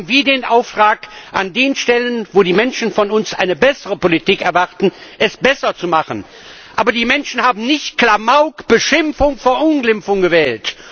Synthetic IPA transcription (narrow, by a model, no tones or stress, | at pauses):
n̩viːɐdeːnʔaʊftʁ̥aːkʔa̰ndeːnʃtɛlənvoːdiːmɛnʃn̩fɔnʊnsʔa̰ɪnəbɛsəʁəpolitiːkɛɐvaʁtn̩ʔɛsb̥ɛsɐt͡sumaχən | ʔaːbɐdiːmɛnʃn̩haːbm̩nɪçtkl̥amaʊkb̥əʃɪmfʊŋfoːɐʔʊnɡlɪmfʊŋɡəvɛːlt